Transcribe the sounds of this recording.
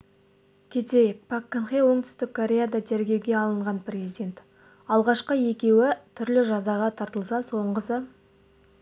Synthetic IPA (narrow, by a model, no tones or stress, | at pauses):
kʲʰe̞t̪e̞jɪk̚pʰakːənχewo̞ɴt̪ʏ̥st̪ɪkkʰːoɾʲe̞jad̪ɑt̪ʰeɾɡʲe̞wɡʲe̞ɑlˠəɴʁɑnprʲezid̪ʲe̞nt̪ | ɑlˠʁɑʃqəe̞kʲe̞wɪt̪ʰʏɾlɪʒɑzɑʁɑt̪ʰɑɾt̪əlˠsɑso̞ɴqəsə